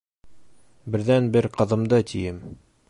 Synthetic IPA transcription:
bɘ̆ɾðænbɘɾqɤ̆ðɤ̆md̪ɤt̪ijɘm

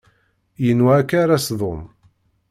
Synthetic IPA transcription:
jənwaːkːaɾasðˤom

